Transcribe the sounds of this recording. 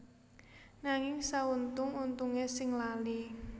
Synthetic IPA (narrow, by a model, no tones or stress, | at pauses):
naŋɪŋsaunt̪ʊŋunt̪uŋesɪŋlali